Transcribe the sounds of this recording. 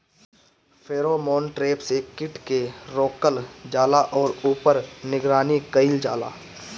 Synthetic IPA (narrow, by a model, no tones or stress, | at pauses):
fʰeːɾomɔ̃ːnʈɾeːpsekɪʈkeɾoːkəld͡ʒaːlaʔɔːɾuːpəɾnɪɡɾaːnikəɪld͡ʒaːla̰ː